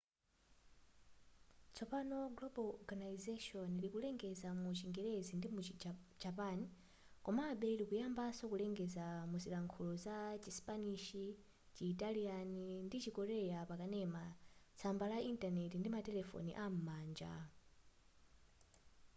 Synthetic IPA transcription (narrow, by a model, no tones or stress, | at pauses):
t͡sʰɔpanɔɡlɔbalɔɡanaizaʃɔnilikulɛŋɡɛzamut͡ʃiŋɡɛɾɛzindimud͡ʒapani | kɔmaɓɛilikujambasɔkulɛŋɡɛzamuzilaŋkʰulɔzat͡ʃispaniʃi | t͡ʃiːtalianindit͡ʃikɔɾɛjapakanɛmat͡sʰambalaʔintanɛtindimatɛlɛfɔ̰nḭʔam̩maːnd͡ʒa̰